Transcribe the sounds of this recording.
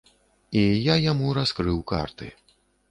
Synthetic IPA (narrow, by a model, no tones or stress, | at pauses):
ijajamuɾaskɾɨwka̰rt̪ɨ̰